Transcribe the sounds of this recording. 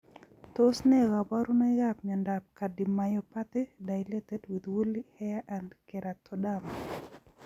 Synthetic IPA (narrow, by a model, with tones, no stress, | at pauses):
t̪o˦snɛ˦ɣa˨ba˦ɾu˦nɔ˦ɣap̚ɲɔ˨ndap̚ka˨di˨ma˨jɔpa˦t̪ɪ˦da˨jlɛ˦t̪ɛ˦twi˨d̪wu˦lihɛ˦a˦ʔandkɛ˨ɾa˨t̪ʰɔdama